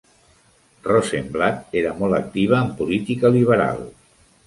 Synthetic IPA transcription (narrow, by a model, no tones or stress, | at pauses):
rɔsemblat̪eɾəmɔlˠək̚t̪iβ̞əːmpulit̪ikəliβ̞əɾa̰lˠ